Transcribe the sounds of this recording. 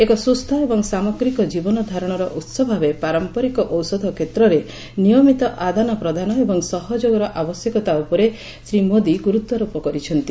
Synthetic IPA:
ekɔsust̪ʰɔebɔŋsamɔɡɾikɔd͡ʒibɔnɔd̪ʱaɾɔɽ̃ɔɾɔʔut̪sɔbʱabepaɾɔmpɔɾikɔʔɔwsɔd̪ʱɔkʰet̪ɾɔɾe | nijɔmit̪ɔʔad̪ʱanɔpɾɔd̪ʱanɔebɔŋsɔɦɔd͡ʒoɡɔɾɔʔabɔsjɔkɔt̪aupɔɾe | sɾimod̪iɡuɾut̪wɔɾopɔkɔɾit͡ʃʰɔnt̪i

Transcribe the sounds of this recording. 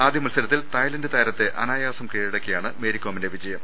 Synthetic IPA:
aːd̪ʱjɐmɐlsɐlɐt̪ːilt̪ɐjlɐndɨt̪ɐːɾɐt̪ːe̞ʔɐnaːjaːsɐmkeːɻiɽɐkʲːijaːɳɨmeːɾikʲːoːmindeʋid͡ʑɐjɐm

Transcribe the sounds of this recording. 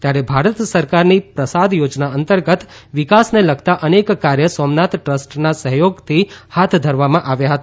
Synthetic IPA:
t̪jaɾebʱaɾət̪səɾkaɾnipɾəsad̪jod͡ʒnaənt̪əɾɡət̪ | ʋɪkasneləɡʰt̪aʔənekːaɾjəsɔmnat̪ʈɾəsʈnasəɦjoɡt̪ʰihat̪ʰd̪ʱəɾʋamãʔaʋjaɦət̪a

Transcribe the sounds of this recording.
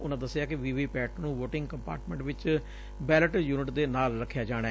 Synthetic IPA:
ʊnãːd̪əsːjaːkɪʋiːʋiːpɛːʈnũːʋoːʈɪ̃ŋɡkəmpa̰ːɾʈmɛ̃ɳʈʋɪt͡ʃ | bɛːləʈjuːnɪʈd̪eːnaːlɾəkʰːjaːd͡ʒaːɽ̃aɛː

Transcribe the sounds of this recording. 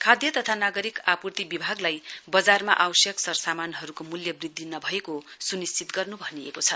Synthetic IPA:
kʰad̪jʌt̪ʌt̪ʰanaɡʌɾikapurt̪ibibʱaɡlajbʌd͡zarma̰ʔawʌsjʌksʌrsamanɦʌɾukomuljʌbrid̪ʱːinʌbʱʌekosunist͡sit̪ɡʌrnubʱʌniḛkot͡sʰʌ

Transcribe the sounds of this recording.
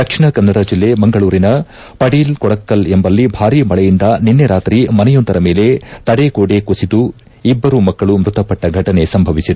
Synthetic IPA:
d̪ɐkʂiɳɐkɐnːɐɽɐd͡ʒilːe̞mɐŋɡɐɭuːɾinɐ | pɐɽiːlkɔɽɐkːɐlembɐlːibʱaːɾiːmɐɭɐjind̪ɐninːeɾaːt̪ɾimɐnɐjɔnt̪ɐɾɐme̞ːle̞t̪ɐɽekoːɽekusid̪u | ibːɐɾumɐkːɐɭumɾut̪ɐpɐʈːɐɡʱɐʈɐne̞sɐmbʱɐʋisid̪e

